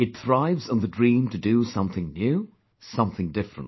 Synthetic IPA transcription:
ɨt̪̚θɹaɪvzə̃n̩ðɨdɹĩmtʰɨdɨsʌ̃mθɪ̃ŋnjʉ | sʌ̃mθɪ̃ŋdɪfɹə̰̃n

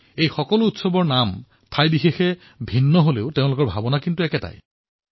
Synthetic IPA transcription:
ejxɔkɔlʊutsɔbɔɹnam | tʰajbixexɛ | bʱinːɔɦoleʊteʊ̃lʊkɔɹbʱabɔnakintuɛkɛta̰j

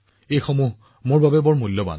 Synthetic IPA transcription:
ejxɔmuɦ | moɹbabɛbɔɹmulːɔba̰n

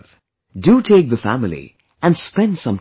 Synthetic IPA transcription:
v̥ | dutʰeɪk̚ðəfæ̰mɪlˠḭ | ɨ̃nspɛ̃nd̥sʌ̃m

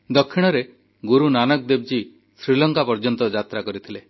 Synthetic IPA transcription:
d̪ɔkʰːiɽ̃ɔɾe | ɡuɾunanɔk̚d̪eb̚d͡ʒi | sɾilɔŋkapɔɾd͡ʒɔnt̪ɔd͡ʒat̪ɾakɔɾit̪ʰile

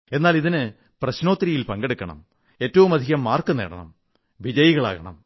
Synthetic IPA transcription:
e̞nːaːliðinɨ | prɐɕno̞ːt̪ːɾijilpɐŋɡe̞ɽukːɐɳɐ̰m | e̞ːtːɐʋumɐd̪ʱiɣɐmːaːrkunːḛːɽɐ̰ɳɐ̰m | ʋid͡ʑɐjiɣɐɭa̰ːɣɐɳɐ̰m

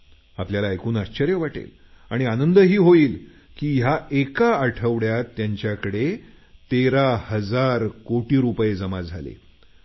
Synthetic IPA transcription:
apljalaekuːnaɕt͡ɕəɾjəʋaʈḛl | aɽ̃ianənd̪əɦiːɦoiːl | kiːjaʔekaːʈʰəʋɽjat̪ːjaɲt͡ɕjakəɽe | t̪eɾahəd͡zaɾkoʈiːɾupjed͡zəmad͡zʱalḛ

